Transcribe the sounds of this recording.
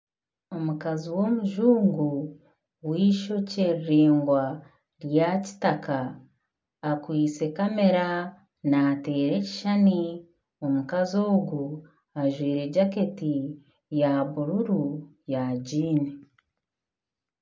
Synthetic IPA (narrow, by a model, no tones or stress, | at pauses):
o̞mukaziwo̞ːmuʒuːŋɡu | wiːʃo̞ceːeːŋɡwa | ɾjaci̥takaː | kwiːt͡se̞kame̞ɾa | nate̞ːɾe̞ci̥ʃani | o̞mukazo̞ːɡu | aʒwiːɾe̞ɟaketi | jaβuɾuɾujaɟiːne